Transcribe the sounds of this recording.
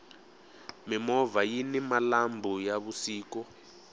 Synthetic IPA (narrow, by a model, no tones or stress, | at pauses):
mimɔvajinimalambʱujaβusiːkɔ